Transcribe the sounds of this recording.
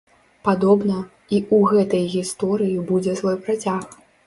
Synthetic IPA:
pad̪ɔbnɐ | iuɣɛt̪ɐjɣʲist̪ɔɾɨjibud͡zʲɛsvɔjpɾat͡sʲax

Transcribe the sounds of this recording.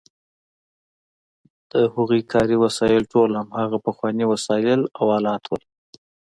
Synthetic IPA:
d̪̥əhʊɣukʰɑɾiwasɑɪlʈolhamhaɣapəxwɑniwasɑɪlawɑlɑt̪ʰwəl

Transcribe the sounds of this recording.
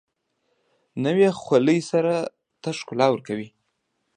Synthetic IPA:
nəwexwaləjsaɾa | t̪aʂkʊlɑwəɾkawi

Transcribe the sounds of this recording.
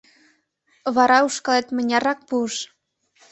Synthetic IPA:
βɑɾɑuʃkɑlet̪mə̆nʲɑrɑk̚puəʃ

